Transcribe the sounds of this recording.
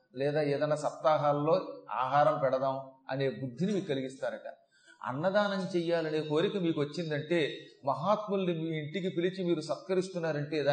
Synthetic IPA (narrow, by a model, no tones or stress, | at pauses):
lɛːd̪aːeːd̪ɐnːaːsɐt̪ːaːɦaːllo̞ːa̰ːɦaːɾɐmpɛɽɐd̪aːmɐ̰ne̞ːbud̪ʱːinimiːɾkɐliɡist̪aːnɐʈɐ̰ | ɐ̰nːɐd̪aːnɐnt͡ʃɛjːaːlɐneːko̞ːɾikɐmiːkuʋɐt͡ʃːind̪ɐɳʈe̞ːmɐɦaːt̪mulnimːɳʈik̬ipilit͡ʃimiːɾusɐt̪kɐɾist̪unːaːɾɐɳʈe̞ːd̪aː